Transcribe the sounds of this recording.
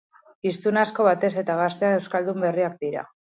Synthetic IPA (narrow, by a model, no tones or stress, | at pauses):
ist̪unasko̞β̞at̪e̞se̞t̪aɣast̪e̞ae̞wskald̪umbe̞riak̚d̪iɾa̰